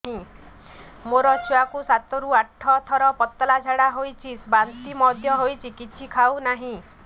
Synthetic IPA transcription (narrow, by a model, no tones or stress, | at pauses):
ɦĩ | moɾɔt͡ʃʰuwakusat̪ɔɾuaʈʰːɔt̪ʰɔɾɔpɔt̪ːɔlad͡ʒʱaɽaɦojt͡ʃʰisbant̪imɔd̪ʱjɔɦojt͡ʃʰikit͡ʃʰikʰawnaɦĩ